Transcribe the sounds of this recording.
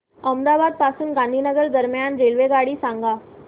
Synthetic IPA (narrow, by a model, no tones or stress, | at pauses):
əmd̪aʋad̪̚pasuːnɡãnd̪ʱinəɡəɾd̪əɾmjanɾelʋeɡaɽiːsãŋɡa